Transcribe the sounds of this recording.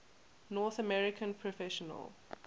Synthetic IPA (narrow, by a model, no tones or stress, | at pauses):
nɔːθəmɛɹɪkʰə̃npʰɹɔfɛʃɔnə̰l